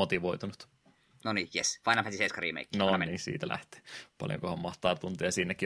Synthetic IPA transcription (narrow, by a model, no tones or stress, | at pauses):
ot̪iʋoit̪unut̪ | nonijesfɑjnɑmhæt̪iseskɑrḭːmḛikːnonisḭːt̪ælʔæ̰ht̪e̥ːpɑ̰ljo̰ŋkohɑmmɑht̪ɑːt̪unt̪iɑsiːnːekːˑi